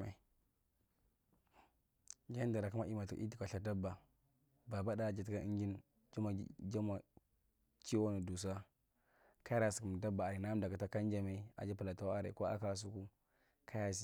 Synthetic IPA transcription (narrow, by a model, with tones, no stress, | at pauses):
a˨ | d͡ʒa˦n˦da˨ɾa˨ka˦ma˦i˦ma˨tu˨˦i˦ti˨ka˨ɬa˨da˦ba˨ | ba˨ba˦da˦˨d͡ʒa˨tka˦ʔḭ˦ŋɡi˦n | d͡ʒa˦ma˨˦d͡ʒa˦ma˨ | t͡ʃi˦wo˦nu˨du˨s̬a˦ | ka˦ja˦ɾa˨su̥˨ku˨m˨da˦ba˨a˨ɾi˨na˦m˦da˨ka˨ta˦ka˦n˦d͡ʒa˦ma˦a̰˨d͡ʒa˦pu˨la˨ta˨˦wa˦a˦˨ɾḛ˨ko˦a̰˦ka˦s̬u˦ku˦ | kʰa˦ja˦si˦